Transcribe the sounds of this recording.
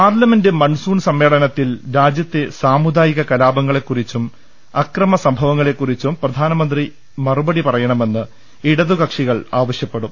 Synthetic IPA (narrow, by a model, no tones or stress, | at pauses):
paːrlɐme̞ndɨmɐɳsuːɳsɐmːe̞ːɭɐnɐt̪ːilɾaːd͡ʑjɐt̪ːesaːmud̪aːjiɣɐkɐlaːbɐŋːɐɭe̞kːurit͡ɕːum | ɐkrɐmɐsɐmbʱɐʋɐŋːɐɭe̞kːurit͡ɕːumprɐd̪ʱaːnɐmɐnd̪ri | mɐrubɐɽipɐrɐjɐɳɐme̞nːɨ | iɽɐðukɐkʂiɣɐɭaːʋɐɕjɐpːeɽum